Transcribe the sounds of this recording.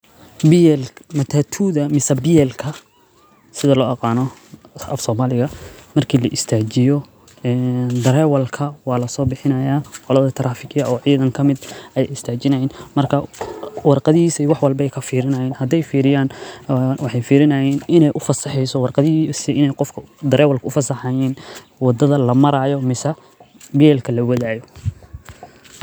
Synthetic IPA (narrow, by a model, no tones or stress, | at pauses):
bɪjɛlmɐt̪ʰaːt̪ʰuːðɐmɪsɐbɪjɛlkʰɐ | sɪðɐlɔːʔɑqɑːnɔɐ̰fsɔːmaːlɪɣɐmɐrkʰiːlɐʔɪst̪ʰaːt͡ʃɪjɔ | ɛːnd̪ɐɾɛːwɐlkʰɐwɑːlɐsɔːbɪħɪnɐjaːqɔlɐðɐt̪ʰɐɾaːfɪɡjɐʔɔːʕiːðɐŋkʰɐmɪd̪ʔɐjɪst̪ʰaːt͡ʃɪnɐjinmɐrkʰɐwɑrqɑðɪhiːsɐiwɑħwɑlbɛjkʰɐfiːɾɪnɐjɛːnhɐd̪ɛjfiːɾɪjaːn | wɑħɑjfiːɾɪnɐjɛːnɪnɛjʔʊfɐsɑħɛjsɔwɑrqɑðisɪnɛjqɔfkʰɐd̪ɐɾɛːwɐlkʰɐʊfɐsɑħɑjɛːn | wɑd̪ɐðɐlɐmɐɾaːjɔmɪsɐ | bjɛːlkʰɐlɐwɐðaːjɔ